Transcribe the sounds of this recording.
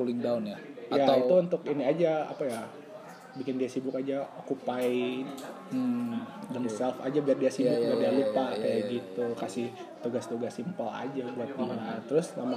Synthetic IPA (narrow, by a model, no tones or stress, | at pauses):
ulɪŋdaʊnjajait̪uunt̪ʊkiniad͡ʒaa̰paja | bikɪndiasibʊkad͡ʒaokupai | dəŋsɛlfa̰d͡ʒabiardiasibʊk̚iardialupakajaɡit̪ukasɪh | t̪uɡast̪uɡasimpəla̰d͡ʒabuat̪̚dimanat̪əɾʊsnama